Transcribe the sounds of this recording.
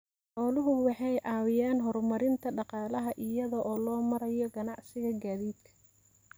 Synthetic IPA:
ħɔːlʊɦʊwɑħɑjʔɑːwɪjaːnɦɔrmɐɾɪnt̪ʰɐɖɑqɑːlɐɦɐʔɪjɐðɔʔɔːlɔːmɐɾɐjɔɡɐnɑʕsɪɣɐɡaːðiːd̪kʰɐ̥

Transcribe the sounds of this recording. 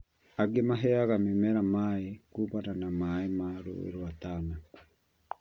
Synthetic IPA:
aɡemaɦɛaɣamemɛɾamaekubananamaemaɾo̰ḛɾoataːna

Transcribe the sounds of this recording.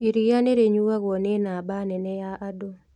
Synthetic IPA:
iɾijaneɾeɲuwaɣɔnenabanɛnɛjaʔado

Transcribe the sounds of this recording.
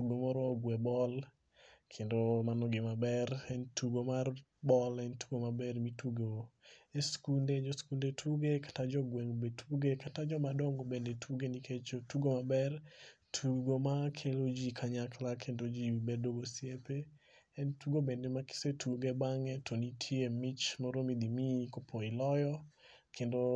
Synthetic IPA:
tuɡomɔɾɔɡwɛbɔl | kʰendomanɔɡɪmabɛrɛntʰuɡomar | bɔlɛntʰu̥ɡomabɛrmitʰuɡoeskunded͡ʒɔskundetʰuɡekḁtad͡ʒɔɡwɛŋbetʰuɡekatad͡ʒɔmadɔŋɡobendetʰuɡenikʰet͡ʃotuɡomabɛrtʰuɡomakʰelod͡ʒikʰaɲaklakʰendod͡ʒibedoɡosijepe | ɛntuɡobendemakɪ̥setʰuɡebaŋɛtʰonitʰjemit͡ʃmoɾomid̪imikopʰoɪlɔjɔ | kʰendo

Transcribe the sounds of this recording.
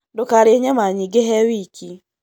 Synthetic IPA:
dʊkaɾɪɲemaɲɪɡɪɦewikʰi

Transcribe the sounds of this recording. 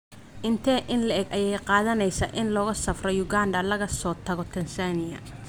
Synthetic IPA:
ʔɪnt̪ʰɛːʔɪnlɐʔɛɡʔɐjɛjqɑːðɐnɛjsɐʔɪnlɔːɣɐsɐfrɔjʊɡaːnd̪ɐlɐɣɐsɔːt̪ʰɐɣɔt̪ʰɐnsanɪjɐ̰

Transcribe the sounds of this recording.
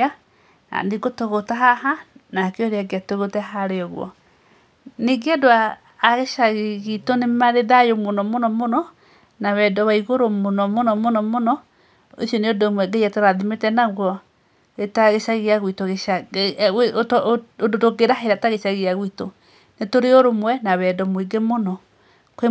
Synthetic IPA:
a | a̰ndiɡotoɣotaɦaɦanakeoɾeaɡeatoɣotɛɦaɾeɔɣwɔ̰ | neɡeadoaː | ɣeʃaɣeɣitonemaɾeðajomonɔmonɔmonɔ | naβɛdɔβaiɣoɾomonɔmonɔmonɔmonɔ | esjɔneodomwɛɡejatoɾaðimetɛnaɣwɔ | etaɣeʃaɣeaɣwitoɣeʃa | oodotoɡeɾaɦeɾataɣeʃaɣiaɣwito | netoɾeoɾomwɛnaβɛdɔmwiɡemonɔ | ke

